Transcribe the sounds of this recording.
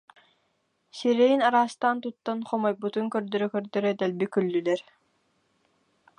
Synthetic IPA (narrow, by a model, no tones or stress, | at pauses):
siɾɛjinaɾaːst̪aːnt̪ut̪ːɔnχɔmɔjbut̪uŋkœɾd̪œɾœkœɾd̪œɾœd̪ɛlbikylːylɛɾ